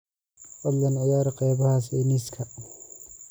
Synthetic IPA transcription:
ʔɔlːɐnʕɪjaːɾɐqʼɛːbɐhaːsɛːnɪskʰɐ

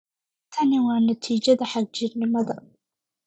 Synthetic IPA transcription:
t̪ʰɐnɪwɑːnɐt̪ʰiːd͡ʒɐðɐħaɡ̚d͡ʒɪɾnɪmɐðɐ

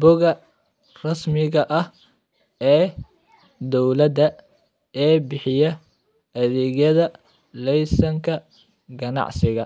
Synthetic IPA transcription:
bɔɣɐ | rɑsmɪɣɐʔɐh | ɛː | d̪ɔwlɐd̪ɐ | ɛːbɪħɪjɐ | ʔɐðɛːɣjɐðɐ | lɛjsɐŋkʰɐ | ɡɐnɑ̰ʕsɪɣɐ̰

